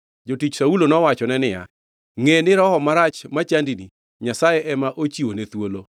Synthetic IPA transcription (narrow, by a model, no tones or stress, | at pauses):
d͡ʒotit͡ʃsaulonɔwat͡ʃɔnɛnɪja̰ | ŋenɪɾɔɦɔmaɾat͡ʃmat͡ʃandini | ɲasajɛʔɛmaʔot͡ʃiwonet̪wolo